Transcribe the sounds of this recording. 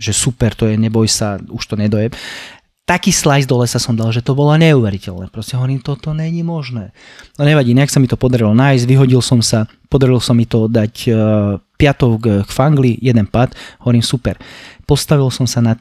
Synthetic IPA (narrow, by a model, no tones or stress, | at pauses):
ʒɛsupɛɾt̪ɔjɛɲɛbɔjsauʃt̪ɔɲɛd̪ɔjɛp | t̪akiːslajzd̪ɔlɛsasɔmd̪alʒɛt̪ɔbɔlɔɲɛuːʋɛɾicɛlnɛ̰ːpɾɔscɛɦɔʋɔɾiːmt̪ɔt̪ɔɲɛɲimɔʒnɛː | nɔɲɛʋaɟiːnɛaksamit̪ɔpɔd̪aɾilɔnajzɟʋiɦɔɟilsɔmsa | pɔd̪aɾilsɔmːit̪ɔd̪acː | pɪat̪ɔʊkkfaŋɡlijɛd̪ɛnpat̪ɦɔʋɔɾiːmsupɛ̰ɾpɔst̪aʋilsɔmsana